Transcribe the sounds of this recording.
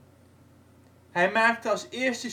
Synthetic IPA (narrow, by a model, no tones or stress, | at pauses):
ɦɛjmaːk̚təɑlˠsɪːəɹstə